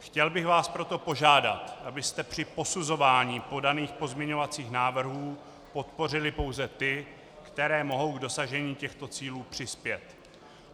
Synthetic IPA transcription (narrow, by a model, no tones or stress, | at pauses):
xcɛlbɪxvaːspɾo̞t̪o̞po̞ʒaːda̰t̪ʔabɪst̪ɛpr̝̥ɪpo̞suzo̞vaːɲiːpo̞daniːxpo̞zmɲɛɲo̞vat͡siːxnaːvr̩ɦuː | po̞t̪̚po̞r̝ɪlɪpo̞wzɛt̪ɪ | kt̪ɛɾɛːmo̞ɦo̞wɡdo̞saʒɛɲiːcɛxt̪o̞t͡siːluːpr̝̥ɪspjɛt̪